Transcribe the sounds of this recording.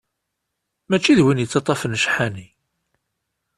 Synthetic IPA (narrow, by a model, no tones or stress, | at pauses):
mæt͡ʃːiðwinjət͡sːɑt̪ˤːɑfənʃħæni